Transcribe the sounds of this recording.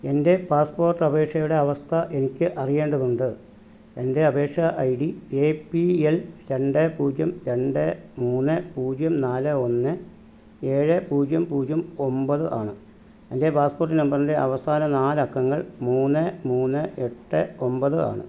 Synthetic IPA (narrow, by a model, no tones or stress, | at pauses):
e̞nde̞paːspo̞ːrʈːɐbe̞ːkʂɐjuɽe̞ɐʋɐst̪ʰɐʔe̞nikʲːɨʔɐrijeːɳɖɐðuɳɖɨ | e̞nde̞ɐbe̞ːʂɐʔɐjɽieːpːielɾe̞ɳɖɨpuːd͡ʑjɐmɾe̞ɳɖɨmuːnːɨpuːd͡ʑjɐmnaːlɨo̞nːɨ | e̞ːɻɨpuːd͡ʑjɐmpuːd͡ʑjɐmo̞mbɐðɨʔa̰ːɳɨ | ende̞paːsporʈːinɐmbɐrndeʔɐʋɐsaːnɐnaːlɐkːɐŋːɐɭmuːnːɨmuːnːɨʔe̞ʈːɨo̞mbɐðɨʔa̰ːɳɨ̰